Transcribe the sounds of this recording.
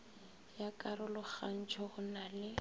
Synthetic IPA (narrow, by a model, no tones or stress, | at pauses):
jakʼarʊlʊk͡xan̩t͡ʃʰɔɣʊnalɪ